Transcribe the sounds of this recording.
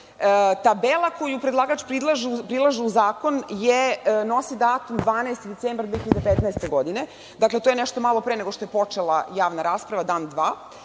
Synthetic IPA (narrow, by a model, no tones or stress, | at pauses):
t̪abelˠako̞jupɾed̪laːɡaat͡ʃpɾid̪lˠaʒipɾilˠaʒiuzaːko̞njeno̞sid̪aːt̪umd̪ʋaːnaest̪id̪e̞t̪seːmbɾd̪ʋeçiʎad̪epet̪naest̪eɡo̞d̪ine̞ | d̪aklet̪ojenɛʃt̪omalˠo̞pɾene̞ɡoʃt̪o̞jepo̞t͡ʂelˠajaːʋnaɾaːspɾaʋad̪aːnd̪ʋaː